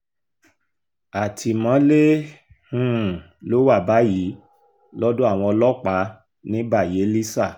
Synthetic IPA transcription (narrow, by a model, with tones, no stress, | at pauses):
a˨tʰi˧mã˨˦le˦ | hũ˦˨ | lo˦wa˦˨ba˨˦jiː˨˦ | lɔ˦dõ˦a˦˨w̃ɔ̃˧ɔ˧lɔ˦k͡pa˨˦ | nĩ˨˦ba˦˨je˨˦li˦sa˦˨